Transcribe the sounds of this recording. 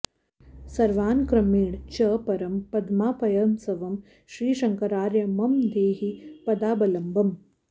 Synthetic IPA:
sɐɾʋaːnkɾɐmiːɽt͡ʃɐːpɐɾɐmpɐd̪maːpɐjɐːmsɐʋɐm | ʃɾiːʃɐŋkɐɾaːɾjɐmɐmd̪eːɦipɐd̪aːbɐlɐmbɐm

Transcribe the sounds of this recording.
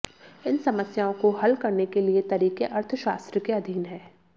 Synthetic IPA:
ɪnsɐməsjaːõkohɐlkɐɾnekeliet̪ɐɾiːkeʔɐɾt̪ʰəʃaːst̪ɾəkeɐd̪ʱiːnɦɛ̃ː

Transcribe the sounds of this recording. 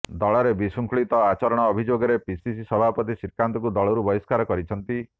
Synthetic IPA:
d̪ɔɭɔɾebisuŋkʰuɭit̪ɔat͡ʃɔɾɔɽ̃ɔːbʱid͡ʒoɡɔɾepisisisɔbʱapɔt̪isiɾkant̪ɔkud̪ɔɭɔɾubɔiskaɾɔkɔɾit͡ʃʰɔnt̪i

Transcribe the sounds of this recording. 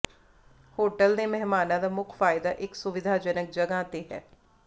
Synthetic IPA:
hoːʈəld̪emɛɦmaːnãd̪aːmʊkʰfaːɪd̪aːʔɪksʊʋɪd̪ʱaːd͡ʒənək̚d͡ʒəɡãt̪eɦɛ̰ː

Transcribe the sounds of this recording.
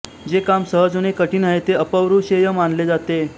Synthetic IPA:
d͡zekamsəɦəd͡zonekəʈiːnəɦet̪eəpəʋɾuːɕejəmanled͡zat̪e

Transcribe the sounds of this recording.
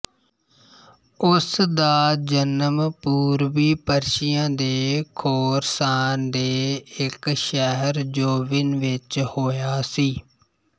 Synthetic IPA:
ʊsd̪aːd͡ʒənəmpuːɾʋiːpəɾʃɪjãːd̪eːkʰoːɾsaːnd̪eːɪkʃɛɦəɾd͡ʒoːʋɪnʋɪt͡ʃhoːjaːsiː

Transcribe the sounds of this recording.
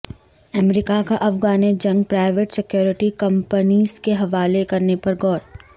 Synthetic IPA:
ɐmɾɪkakaʔɐfɡaːned͡ʒɐ̃ŋɡ̚pɾaːɪʋeʈsɪkjoːɾɪʈikɐ̃mpəniːzkeɦɐʋaːlekɐɾnepɐɾɡɔːɾ

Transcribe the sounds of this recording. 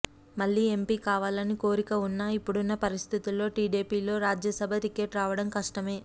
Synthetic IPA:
mɐɭːiːe̞mpiːkaːʋaːlɐniko̞ːɾikɐunːaːipːuɽunːɐpɐɾist̪ʰit̪ulːo̞ːʈiːɖiːpiːlo̞ːɾaːd͡ʒjɐsɐbʱɐt̪ike̞ːʈɾaːʋɐɽɐmkɐʂʈɐme̞ː

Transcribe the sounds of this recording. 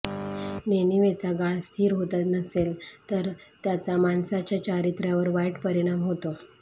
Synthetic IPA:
neniʋet͡saɡaɭst̪ʰiːɾɦot̪at̪nəselt̪əɾt̪jat͡samansat͡ɕjat͡ɕaɾit̪ɾjaʋəɾʋajʈpəɾiɽ̃amɦot̪o

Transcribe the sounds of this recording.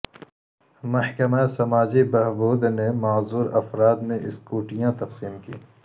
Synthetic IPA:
mɐhkɐmaesɐmaːd͡ʒibɐɦbuːd̪nemaːzuːɾɐfɾaːd̪mẽʔɪskuːʈijãt̪ɐqsiːmkḭː

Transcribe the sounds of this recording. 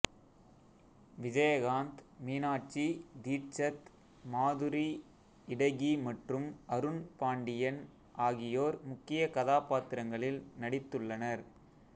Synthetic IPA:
ʋɪd͡ʒɐjɐɣaːnt̪miːnaːʈ̚t͡ʃid̪iːʈt͡ʃɐt̪ | maːðɯɾi | ɪɽɐɪɣimɐʈrɯmɐɾɯnpaːɳɖɪjɐn | ʔaːɣɪjoːɾmʊkːɪjɐkɐðaːpaːt̪ɪɾɐŋɡɐɭɪlnɐɽɪt̪ːɯɭːɐnɐɾ

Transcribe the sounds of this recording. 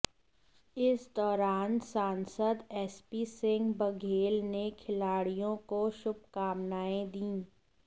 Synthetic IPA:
ɪsd̪ɔːɾaːnsaːnsəd̪ɛːspiːsɪ̃ŋɡbɐɡʱeːlnekʰɪlaːɽijõkoʃʊb̚kaːmnaːẽd̪ĩː

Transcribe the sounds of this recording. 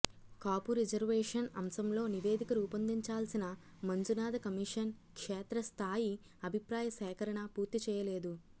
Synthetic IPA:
kaːpuɾid͡ʒɐɾʋɛːʂɐnɐ̰msɐmlo̞ːniʋe̞ːd̪ikɐɾuːpɐnd̪iɲt͡ʃaːlsinɐ | mɐnd͡ʒunaːd̪ɐkɐmiʂɐnkʂɛːt̪ɾɐst̪ʰaːji | ɐbʱipɾaːjɐsɛːkɐɾɐɳɐpuːɾt̪it͡ʃɛːjɐleːd̪u

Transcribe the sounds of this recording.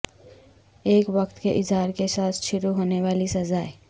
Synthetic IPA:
eːkʋɐkt̪keʔɪzɦaːɾkesaːt̪ʰʃʊɾuɦoːneʋaːlisɐzaːe

